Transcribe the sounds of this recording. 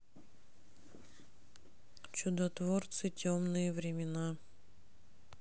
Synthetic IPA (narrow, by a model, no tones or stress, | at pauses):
t͡ɕʊd̪ɐt̪vort̪sɨtʲomnɨjəvɾʲɪmʲɪna